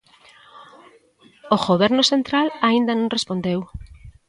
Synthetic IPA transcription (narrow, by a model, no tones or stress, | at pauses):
oɣoβɛɾnosent̪ɾalaind̪anõŋrespond̪ew